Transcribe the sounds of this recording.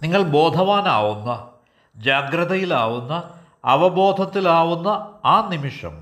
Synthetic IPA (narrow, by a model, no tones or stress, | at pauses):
niŋːɐɭbo̞ːd̪ʱɐʋaːna̰ːʋunːɐ | d͡ʑaːɡɾɐðɐjilaːʋunːɐː | ʋɐbo̞ːd̪ʱɐt̪ːilaːʋunːɐaːnimiʂɐ̰m